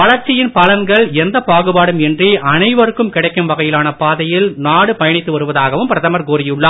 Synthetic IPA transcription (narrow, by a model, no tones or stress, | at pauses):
ʋɐɭɐɾt͡ʃːɪjɪnpɐlɐŋɡɐɭɛnd̪ɐpaːɣɯbaːɽɯmɛndriʔɐnɐɪʋɐɾɯkːɯmkɪɽɐɪkːɯmʋɐɣɐjɪlaːnɐpaːðɐjɪlnaːɽɯpɐjɐɳɪt̪ːɯʋɐɾɯʋɐðaːɣɐʋɯmpɪɾɐðɐmɐɾkoːɾɪjɯɭːɐ